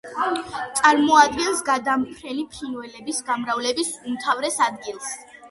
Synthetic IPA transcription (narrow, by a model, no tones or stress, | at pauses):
t̪sʼaɾmɔad̪ɡɛnsɡad̪ampʰɾɛnipʰinvɛlɛbisɡamɾavlɛbisumt̪ʰavɾɛsad̪ɡilˠs